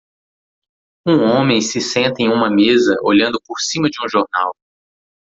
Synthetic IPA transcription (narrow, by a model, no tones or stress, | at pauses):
ũõmẽj̃sɪsẽnt̪ɐẽj̃ũmɐmezɐʔoʎɐ̃nd̪ʊpoɾsĩmɐd͡ʒɪũʒoɾna̰w